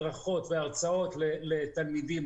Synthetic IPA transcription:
ʁaχo̞t̪veaʁt͡sao̞t̪lelet̪almid̪im

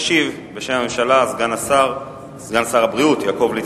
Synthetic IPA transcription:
ʃiv | beʃemhame̞mʃalazɡanasaʁ | zɡansaʁabʁiutjaːko̞vli

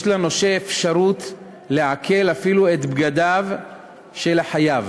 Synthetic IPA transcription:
jʃlanoʃeefʃaʁut | leʕakʰe̞lafiluet̪bɡad̪av | ʃelaħajav

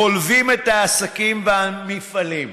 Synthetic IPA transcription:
olvimet̪aːsakimvamifalim

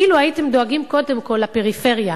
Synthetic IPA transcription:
iːluaitemd̪oaɡimko̞de̞mko̞lape̞ʁife̞ʁja

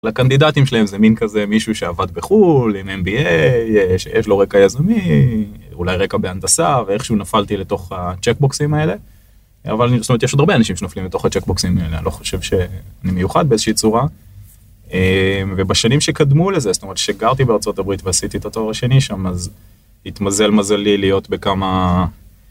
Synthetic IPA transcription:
lakand̪idat̪imʃelahe̞mzeminkaze̞miʃuʃe̞avad̪beχulimenbiejʃḛjeʃlo̞ʁe̞kajazami | ṵlajʁekabe̞and̪asaveeχʃunafalt̪ile̞t̪o̞χat͡ʃekboksimaele̞ | a̰valnistometjeod̪aʁbeanaʃimʃenoflimbet̪o̞χat͡ʃek̚boksimaelea̰nilo̞χo̥ʃe̞vʃe̞animejuχad̪̚beezeʃiit͡suʁa | emve̞baʃanimʃekad̪mulezest̪omeetʃeɡaʁt̪ibeaʁt͡so̞t̪abʁit̪veasit̪iet̪at̪oʁaʃe̞niʃamaz | hit̪maze̞lmazalilijo̞t̪be̞kama

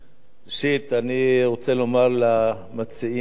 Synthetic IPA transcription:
ʃit̪aniʁot͡selomaʁla | mat͡sii

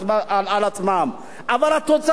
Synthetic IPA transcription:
maalat͡simama | avaɾat̪ot͡sa

